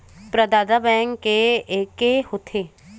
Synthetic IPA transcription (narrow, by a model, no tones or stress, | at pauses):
pɾəd̪aːd̪abɛ̃ːə̃ŋkkːeeːkehot̪ʰeː